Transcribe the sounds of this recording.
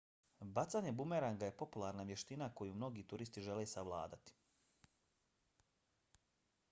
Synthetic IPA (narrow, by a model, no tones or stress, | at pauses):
bat̪saɲe̞bumeɾaŋɡaje̞po̞pulˠaɾnaʋje̞ʃt̪inako̞jumno̞ɡiːt̪uɾist̪iʒe̞lesaʋlˠa̰ːd̪at̪i̥